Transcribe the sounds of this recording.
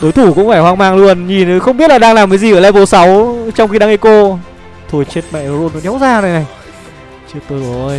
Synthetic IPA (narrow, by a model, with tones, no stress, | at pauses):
ɗo˨˦jt̪ʰu˧˩kʊ̰˧˥ŋ͡mfaː˧˩jhwaː˧ŋmaː˧ŋlu˧ənɲi˨˩n˨˦xə˧wŋ͡mɓi˦˥t̚la˨˩ɗaː˧ŋlaː˨˩mːaː˨˦zi˨˩ʔəː˧˩laː˧jvo˨˦sa˨˦wt͡ɕɔ˧wŋ͡mxi˧ɗaː˧ŋʔi˧˩ko˧ | t̪ʰo˧jt͡ɕe˦˥t̚mɛ̰˧˨˧zo˧no˨˦ɗɛ˨˦wzaː˧˩na˨jna˨˩j | t͡ɕe˦˥t̚t̪əː˨˧˩ʔo˨˧˩j